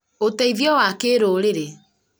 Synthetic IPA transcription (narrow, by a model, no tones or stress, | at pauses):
otɛiðjɔwakeːɾoɾeɾe